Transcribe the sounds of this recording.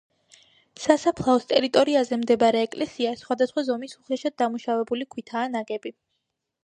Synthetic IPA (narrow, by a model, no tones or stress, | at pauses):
sasapʰlˠaɔst̪ʼɛɾit̪ʼɔɾiazɛmd̪ɛbaɾɛːkʼlɛsiasχwad̪asχwazɔmisuχlɛʃad̪̚d̪amuʃavɛbulikʰwit̪ʰaːnaɡʼɛbi